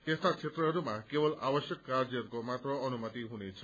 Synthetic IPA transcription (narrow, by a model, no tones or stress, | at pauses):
t̪est̪at͡sʰet̪rʌɦʌɾumakebʌlʔa̰bʌsjʌkːard͡zʌɾkomat̪rʌʌnumʌt̪iɦunet͡sʰʌ